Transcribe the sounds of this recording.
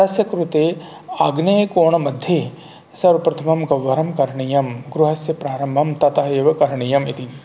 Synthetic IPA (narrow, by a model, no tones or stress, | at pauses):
ɐsjɐkɾut̪eː | aːɡnɐjkoːɳɐmɐd̪ʱjeː | sɐɾɐpɾɐt̪ʰɐmɐmɡɐwːɐɾɐmkɐɾɳijɐmɡɾuɦɐsjɐpɾaːɾɐmbʱɐmt̪ɐt̪ɐɦɐeːʋɐkɐɾɳijɐmit̪in